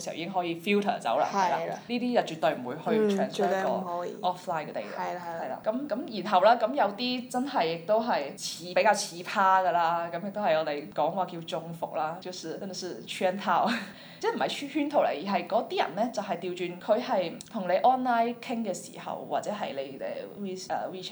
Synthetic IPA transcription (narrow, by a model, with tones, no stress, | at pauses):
sḭ˨˩iː˧˥ɪ˥ŋɦɔː˨˥jiː˧fi˥wt̪ʰɐ̰ː˨˩t͡sɐ̰˨˥wla̰ː˧hɐ̰˨jla̰ː˩˨˧niː˥t̪iː˥jɐ˨wt͡ʃyː˨t̪ɵ˨ɥm̩˨˩wuː˨˧jhɵ˧ɥtʰɛː˨nsɔː˧˩hɔ̰˨˦˧ɔː˥flaː˧˥jkɛ˧t̪ḛ˨˩j̰jhɐ˨˩ɐ˨jla̰ː˧˨˧kɐ˨˥mkɐ˨˧˥mjiː˨˩nɦɐ˨wlaː˥kɐ˨˥mjɐ˨˧wt̪iː˥t͡sɐ˥nɦɐ˨jːɪ˨k̚t̪o˥wɦɐ˨jt͡sʰiː˨˧˥pe˨˥jkaː˧wt͡sʰiː˨˥pʰaː˥ɡɐ˧laː˧kɐ˨˥mjɪ˨k̚t̪o˥whɐ˨jɔː˨˧t̪e˨jkɔː˨˥ŋwaː˨˩kiː˧wt͡sʊ˨˧ŋfʊ̰˨k̚laː˥ki˧wsiː˧ɛ˥n˧sy˥˧˩t͡ʃʰɛː˥nt̪ʰaː˧˥w | ɛː˥m̩˨˩hɐ˨jhyː˥nt̪ʰo˨˩wlḛ˨˩jiː˨˩ɦɐ˨jkɔː˨˥t̪iː˥jɐ̰˨˩nlɛː˥t͡sɐ˨wɦɐ˨jt̪i˨˧wt͡ʃyː˨nkʰɵ˨˧ɥhɐ˨jt̪ʰʊ˨˩ŋle˨˧jʔɔː˥nlaː˥jkʰɪ˥ŋkɛː˧sḭː˨˩hɐ̰˨wwaː˨t̚t͡sɛː˨˥ɦɐ˨jle˨˧jɛ̰˧wiː˥ɐ̰ː˧wi˥